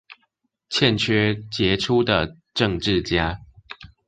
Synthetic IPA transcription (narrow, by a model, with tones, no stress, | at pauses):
t͡ɕʰjɛ˥˨nt͡ɕʰɥɛ˥˦t͡ɕjɛ˨˥˦ʈ͡ʂʰu˦d̪ə˨ | ʈ͡ʂɤ˥˧ŋʈ͡ʂɻ̩˥˨˩t͡ɕja˥˦